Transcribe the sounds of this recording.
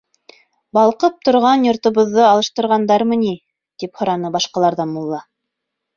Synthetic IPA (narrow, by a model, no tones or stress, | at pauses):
bɑlˠqɤp̚t̪ŏɾʁɑnjŏɾt̪ŏβɤ̆ðːɤɑlˠɤ̆ʃt̪ɤ̆ɾʁɑnd̪ɑɾmɘ̆ni | t̪iphŏɾɑnɤbɑʃqɑlˠɑɾðɑnmulˠːɑ